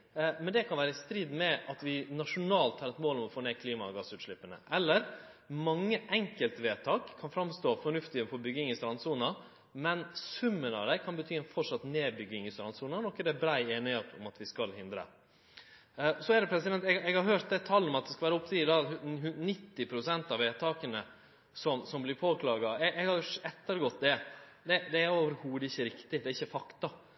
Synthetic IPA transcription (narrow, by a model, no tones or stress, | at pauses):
mɛnd̪ɛkʰɑnʋæːɾəst̪ɾid̪mɛʔɑt̪ʋɪnɑʂʊnɑːlt̪hɑːɾɛt̪moːlɔmɔfoːneːkʰliːmɑɡɑsʉːt̪ʂɭɪpːənə̰ʔɛlːəɾmɑŋːəʔɛŋkəlt̪ʋeːt̪ʰɑːkʰːɑnfɾɑmst̪oːfɔɳʉft̪ɪəfɔɾbʏɡːɪŋɪst̪ɾɑnsuːnɑ | mɛnsʉmːənɑ̰ʋd̪æɪkʰɑnbət̪ʰyːɛnfɔʂɑt̪neːbʏɡɪŋɪst̪ɾɑnsuːnɑnɔkːəd̪ɛbɾæɪeːnɪheːt̪ʊ̰mɑt̪ʋɪskɑlhɪnd̪ɾə̰ | sɔæd̪ɛpʰɾɛsɪd̪ɛnt̪ɛɛɡhɑɾɦøːɾt̪̚d̪ɛt̪ʰɑlːɔmɑt̪̚d̪ɛskɑʋæːɾʊpt̪ʰiːd̪ɑːhnɪt̪ːɪpʰɾʊsɛnt̪ɑʋeːt̪ʰɑːkənə | sɔmsɔmblɪɾpʰoːkʰlɑːɡɑɛɛɡhɑɾɛt̪ːəɾɡɔt̪ːd̪ɛ | d̪ɛd̪ɛæɾoːʋəɾhuːd̪əɪçːəɾɪkt̪ɪd̪ɛæɾɪçːəfɑkt̪ɑ